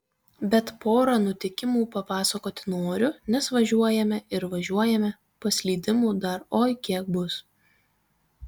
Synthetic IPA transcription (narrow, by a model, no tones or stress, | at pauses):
bʲɛt̪poːɾɐnʊt̪ʲɪkʲɪmuːpɐpɑːsɐkoːt̪ʲɪnoːɾʲʊnʲɛsʋɐʒʲuɔjɛmʲɛɪɾʋɐʒʲuɔjɛmʲɛ | pɐsʲlʲiːd̪ʲɪmuːd̪ɐɾoːjkʲiɛk̚bʊs